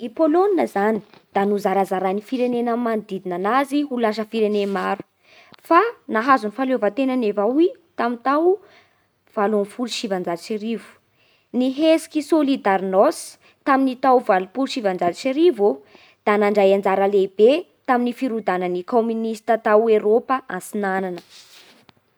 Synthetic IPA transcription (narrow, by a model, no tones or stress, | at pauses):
ipoloninəzani̥d̪̥anuzaɾazaɾanifiɾenenəmand̪id̪inanaziɦulaʃ̬əfiɾenemaɾu̥ | fanaɦazunifalovat̪enənevait̪amint̪aw | v̥alonfuluʃivand͡zad̪it͡ʃeɾivu̥ | niɦesi̥kʲisolid̪aɾnos | t̪aminit̪awvalupulʃivand͡zad̪t͡ʃeɾivu | d̪̥anaɳɖ͡ʐajand͡zaɾəleb̥e | t̪aminifiɾud̪anənikominist̪at̪aweɾopaʔansinananə̥